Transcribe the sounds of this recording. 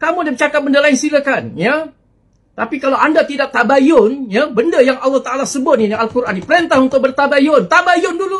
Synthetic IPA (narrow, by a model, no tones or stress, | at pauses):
kamudamt͡ʃakap̚bəndalaɪnsilakanja | t̪apikalawʔandat̪idak̚t̪abajʊnjabəndəjaŋɑlːɑht̪aʔalasəbʊt̪̚ninialkuɾʔanipəɾent̪ahunt̪ʊk̚bərt̪abajʊnt̪abajʊndulu